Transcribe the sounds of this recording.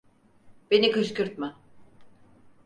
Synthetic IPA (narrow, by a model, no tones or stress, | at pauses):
benikɯʃkɯɾt̪̚ma